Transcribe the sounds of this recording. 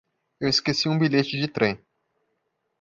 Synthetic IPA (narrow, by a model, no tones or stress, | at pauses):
ewɪskesiũbiʎet͡ʃɪd͡ʒɪt̪ɾẽj̃